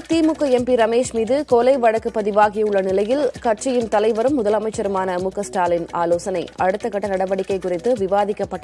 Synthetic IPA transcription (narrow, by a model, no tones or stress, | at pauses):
t̪ːiːmʊkːɐɛmpiɾɐmeːʂmiːðɯkoːlɐɪʋɐɻɐkːɯpːɐðɪʋaːɣɪjɐɯɭːɐnɪlɐjɪlkɐʈ̚t͡ʃɪjɪnt̪ɐlɐɪʋɐɾɯmːʊðɐlɐmɐɪt͡ʃːɐɾɯmaːnɐmʊkːɐsʈaːlɪnaːloːsɐnɐɪɐɽɯt̪ːɐkɐʈːɐnɐɽɐʋɐɽɪkːɐɪkʊrɪt̪ːɯʋɪʋaːðɪkːɐpːɐʈː